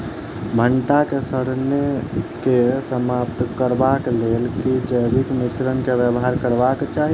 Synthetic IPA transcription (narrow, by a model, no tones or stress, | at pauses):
bʱəɳʈakesəɽnekesəmapt̪kəɾbakleːlkid͡ʒəɪbikmɪsɾənkeʋjəbɦaɾkəɾbakt͡ʃaːɦi